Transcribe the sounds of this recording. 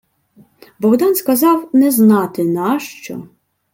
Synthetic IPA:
bɔɣd̪ɑnskɐzɑwnɛznɑt̪ɪnɑʃt͡ʃɔ̰

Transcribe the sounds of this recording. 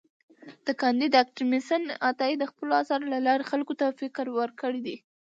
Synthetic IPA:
d̪̥əkɑnd̪id̪ak̚ʈimɪsənat̪ɑid̪əxpəloasɑɾlalɑɾexalkot̪afɪkɾwəɾkəɽid̪i

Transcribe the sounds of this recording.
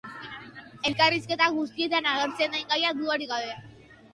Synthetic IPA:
elkarisket̪aɡust̪iet̪anaɣəɾt͡send̪ajŋkajad̪uaɽikaðe

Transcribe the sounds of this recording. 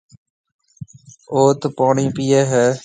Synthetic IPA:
oːt̪poːɳĩːpiːjeːɦɛː

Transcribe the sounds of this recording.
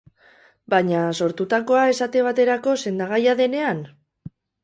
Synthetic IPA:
baɲaso̞ɾt̪ut̪ako̞ae̞sat̪e̞β̞at̪e̞ɾako̞se̞nd̪aɣ̞ajaðe̞ne̞an

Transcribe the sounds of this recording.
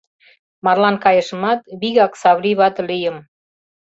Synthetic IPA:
mɑrlɑnkɑjə̆ʃə̆mɑt̪βiɣɑksɑβliβɑt̪lijə̆m

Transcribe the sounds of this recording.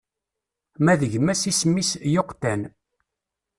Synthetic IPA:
mæðəʝmæsismːisjoqːt̪æn

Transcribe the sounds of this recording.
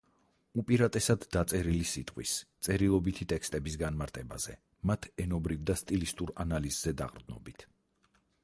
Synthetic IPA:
upʼiɾat̪ʼɛsad̪ːat̪sʼɛɾilisit̪ʼqʼwḭst̪sʼɛɾilˠɔbit̪ʰit̪ʼɛkst̪ʼɛbisɡanmaɾt̪ʼʰɛba̰z̥ɛ̰ | mat̪ʰɛnɔbɾivd̪ast̪ʼilist̪ʼuɾanalizzɛd̪a̰qʼɾd̪nɔ̰bit̪ʰ

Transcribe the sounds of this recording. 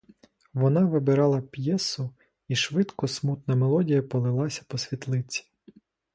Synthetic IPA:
ʋɔnɑʋɪbɪɾɑlˠɐpʲjɛsʊ | iʃʋɪd̪kɔsmut̪nɐmelˠɔdʲijɐpɔlˠɪlˠɑsʲɐ̥pɔsʲʋʲit̪lˠɪt͡sʲi̥

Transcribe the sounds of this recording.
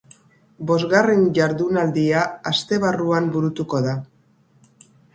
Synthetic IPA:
bo̞zɣarenʝaɾðunald̪iaast̪e̞β̞aruambuɾut̪uko̞ða

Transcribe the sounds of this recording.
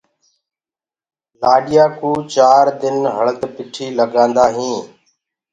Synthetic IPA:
laːɗɪjaːkũːt͡ʃaːɾd̪ɪnɦəɭt̪pɪʈʰiːləɡãːnd̪aːɦĩː

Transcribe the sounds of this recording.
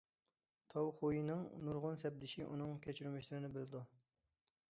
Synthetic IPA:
t̪ʰɑwχujinɪŋnuɾʁʊnsɛb̚d̪ɪʃiʔṵnɨŋkʲʰɛt͡ʃʰyɾymɛʃlɪɾɪnɪbɪlɪd̪u

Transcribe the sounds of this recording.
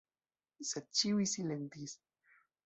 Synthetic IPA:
set͡ʃiwisilent̪is

